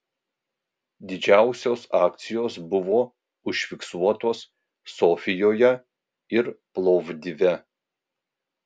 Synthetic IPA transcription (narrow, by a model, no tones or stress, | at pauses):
d̪ʲɪd͡ʒʲæˑʊsʲoːsɑːk̚t̪sʲɪjoːsbʊʋoː | ʊʃʲfʲɪksuɔt̪oːsː | ofʲɪjoːjɛ | ɪɾplˠɔʋd̪ʲɪʋʲɛ